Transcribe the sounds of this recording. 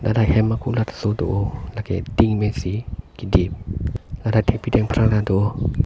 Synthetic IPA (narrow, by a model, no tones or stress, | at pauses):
lʔa̰dajhɛmakulat̪ḁsodo̰ʔolakɛ̰tiŋmɛsikidip̚ladat̪ɛŋpidɛŋpɾaladoo